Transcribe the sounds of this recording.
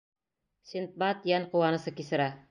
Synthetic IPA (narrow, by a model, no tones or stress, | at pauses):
sint̪̚bɑt̪jænqŭwɑnɤ̆sɤkisɘ̆ɾæ